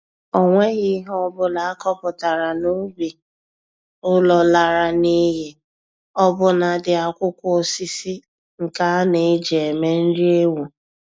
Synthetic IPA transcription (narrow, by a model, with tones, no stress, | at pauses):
o˨ŋʷe˦ɣi˦ɦɔ˦bʊ˦la˨a˦kɔ˦pʊ˨ta˨ɾa˨no˦bi˨ | ʊ˦lɔ˨la˨ɾa˨ni˦ɦe˦ | ɔ˦bʊ˦na˨dɪ˨a˨kʷʊ˦kʷʊ˦o˦˨si˦si˦ | ŋ̩˨ka˦ne˨˦d͡ʒe˨e˨me˦n̩˦dɪ˦e˦wu˨